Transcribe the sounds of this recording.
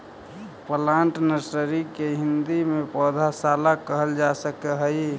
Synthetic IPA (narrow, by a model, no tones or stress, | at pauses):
pəlaɳʈnəɾsəɾikeɦind̪imepɔd̪ʱasalakəɦəld͡ʒasəkeɦəj